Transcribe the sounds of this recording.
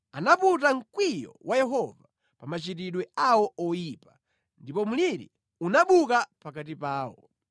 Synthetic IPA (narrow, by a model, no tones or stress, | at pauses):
anaput̬aŋ̩kwijɔ̰wʔajɛɦɔva | pamat͡ʃitiɗwɛawɔɔjipa | ndipɔmuliɾḭ | unaɓukapakat̬ipaːwɔ̰